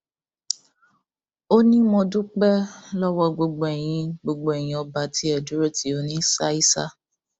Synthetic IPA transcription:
o˦nĩ˦mɔ̃˧du˦k͡pɛ˦lɔ˦wɔ˦ɡ͡bo˧ɡ͡bo˨ɛ˨j̃ĩ˧ɡ͡bo˧ɡ͡bo˨˧ɛ˨j̃ĩ˧ɔ˧ba˧ti˨˦ɛ˨du˦ɾo˦ti˦o˨˧nĩ˦sa˦i˦sa̰˦

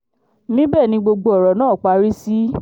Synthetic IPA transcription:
mĩ˦bɛ˦˨nĩ˧˦ɡ͡bo˧ɡ͡bo˧ɔ˨ɾɔ˨nãː˦˨k͡pa˧˦ɾi˦si˦

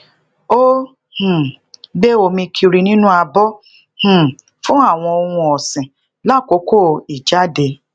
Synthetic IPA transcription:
o˦ | h̩˨ɡ͡be˦o˧mĩ˧kʰi˧ɾi˧nĩ˦nũ˦a˧bɔ˦ | h̩˨ | fũ˦a˦˨w̃ɔ̃˧o˧wũ˧ɔ˨sĩ˨ | la˦˨ko˨˦ko˦˨i˨d͡ʒa˦de˧

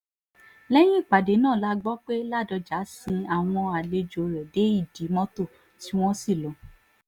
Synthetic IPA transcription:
lɛ˦j̃ĩ˦i˦˨k͡pa˨de˨˦nãː˦˨la˦ɡ͡bɔ˦k͡pe˦la˦˨dɔ˧d͡ʒa˨˦sĩ˧a˨w̃ɔ̃˧a˨le˧d͡ʒo˨ɾɛ˨de˨˦i˦˨di˨˦mɔ̃˦to˦˨ | ti˦w̃ɔ̃˦si˦˨lɔ̃˨˦

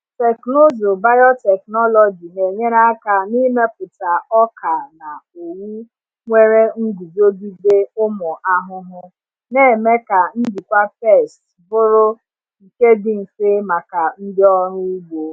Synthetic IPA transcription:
te˨kno˦zo˨ba˦jɔ˦tɛ˨knɔ˦lɔ˨d͡ʒi˨ne˨ɲe˦ɾa˦a˦ka˨ni˦me˦pʊ˨ta˨ɔ˦kʰa˨na˨o˨ŋu˦ | ŋʷe˦ɾe˦ŋ̩˦ɡu˨d͡ʒo˦di˦de˦ʊ˦mʊ˨ʔa˦ɦʊ˦ɦʊ˦ | ne˦˨me˦ka˨n̩˦di˨kʷa˦pe˦˨st | bʊ˦ɾʊ˦ | i˨ke˦dɪ˦n̩˨fɪ˦ma˨ka˨n̩˦dɪ˦ɔ˦ɾʊ˦u˦ɡ͡bo˨

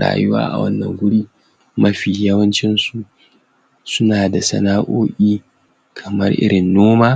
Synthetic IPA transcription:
ɽa̰ː˨jʊ˦wa̰ː˦ʔa̰˨wɐ̰˦nːɐ̰˨ŋɡʷʊ˦ɽiː˦ | mɐ˦ɸiː˨jɐ˦wɐ˦nt͡ʃɪ˦nsu˨ | sʊ˦naː˨da˨sɐ̰˦naː˦ʔoː˦ʔʲʼiː˦ | kʰɐ˨mɐ˦rʔɪ̰˦ɽɪ˨nːoː˦maː˦

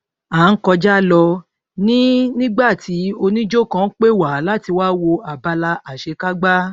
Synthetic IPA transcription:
aː˨˦ŋ̩˦kɔ˧d͡ʒa˦lɔ˧ | nĩ˦nĩ˦ɡ͡ba˦˨tʰi˨˦o˧nĩ˦d͡ʒo˦˨kã˧˦k͡pe˦˨wa˨la˦ti˧waː˦wo˧a˨ba˧la˧a˨ʃe˨˧ka˦ɡ͡ba˦

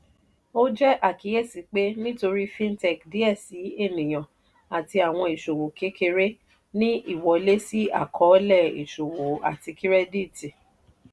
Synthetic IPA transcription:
o˦d͡ʒɛ˦ʔa˦˨ki˨˦je˦˨si˨˦k͡pe˦nĩ˦to˧ɾi˦fĩ˦n˦tɛ˦˨kdi˦ɛ˦˨si˨˦e˦˨nĩ˨j̃ã˨ | a˨ti˧a˨w̃ɔ̃˧i˨ʃo˨wo˨ke˨˦ke˧ɾe˦ | nĩ˦ʔi˦˨wɔ˨˦le˦si˦a̰˦˨kʰɔ˨˦lɛ˦˨ḭ˨ʃo˨wo˨a̰˨ti˧ki˦ɾɛ˦di˦˨ti˨

